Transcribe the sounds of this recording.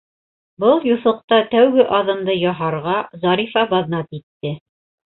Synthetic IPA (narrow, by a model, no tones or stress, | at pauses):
bɤlˠjuθɤ̆q̚t̪ɑt̪æwɡɘʔɑðɤ̆nd̪ɤjɑɦɑɾʁɑzɑɾifɑbɑðnɑt̪it̪ːɘ